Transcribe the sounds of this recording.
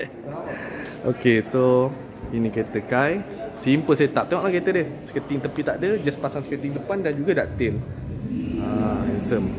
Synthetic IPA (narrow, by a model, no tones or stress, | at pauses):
ʔo̰keso | inĩket̪əkaj | simpəlsajət̪ap̚t̪eŋɔʔlahket̪ədəsə̥kət̪iŋt̪əpit̪aʔdəd͡ʒaspasaŋsə̥kət̪iŋdəpandand͡ʒuɡadaʔt̪ɪl | ãɛnsəm